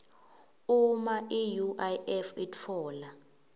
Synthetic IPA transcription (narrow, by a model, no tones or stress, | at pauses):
umaʔijuʔajɛfitʰɔːla